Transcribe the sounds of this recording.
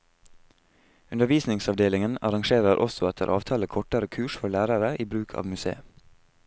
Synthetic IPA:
ʉnəʋiːsnɪŋsɑʋd̪eːlɪŋənɑɾɑŋʃeːɾəɾʔɔsɔɛt̪ʰə̰ɾʔɑ̰ːʋt̪ʰɑːləkʰɔʈəɾəkʰʉːʃfɔlæːɾəɾəʔiːbɾʉːkʰɑ̰ːʋmʉsḛːə

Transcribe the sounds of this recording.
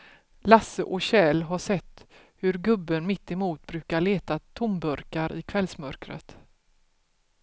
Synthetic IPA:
lasəʔɔɕɛːlɦaʂɛt̪ː | hɵɾɡɵbːənmɪt̪ːɪmuːt̪̚bɾʉ̟ːkaɭeːt̪at̪ʰʊmbɵɾkaɾʔɪ̰kʰvɛlsmœɾkɾə̰t̪

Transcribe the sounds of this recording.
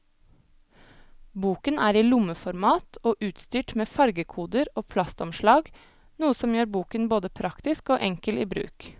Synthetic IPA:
buːkənʔæːɾiːlʊməfɔɾmɑːt̪ʰoːʔʉːt̪st̪yːʈmeːfɑɾɡəkʰuːd̪əɾoːpʰlɑst̪ɔmʃɭɑːɡ | nuːəsɔmjøːɾbuːkənboːd̪əpʰɾɑkt̪ɪskoːʔɛŋkəliːbɾʉ̰ːk

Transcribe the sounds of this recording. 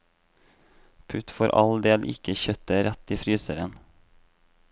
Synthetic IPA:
pʰʉt̪foːɾʔɑ̰ld̪eːlʔɪ̰kəçœt̪əɾɛt̪ːiːfɾyːsəɾən

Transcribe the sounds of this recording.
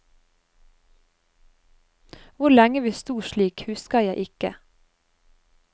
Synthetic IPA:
ʋʊlɛŋəʋiːst̪uːʃɭiːkhʉskəjæɪʔɪkə̰

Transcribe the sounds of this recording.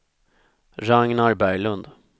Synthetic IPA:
ɾaŋnaɾbæjlɵnd̪

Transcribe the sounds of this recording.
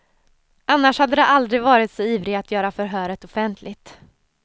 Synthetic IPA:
ʔanːaʂhad̪ːəd̪ɛʔald̪ɾɪɡvɑːɾɪt̪sɔiːvɾɪat̪jœːɾafœɾɦœːɾət̪ɔfɛnt̪ʰlɪt̪

